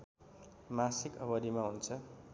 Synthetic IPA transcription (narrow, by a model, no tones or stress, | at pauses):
masikʌbʌɾimaɦunt͡sʰʌ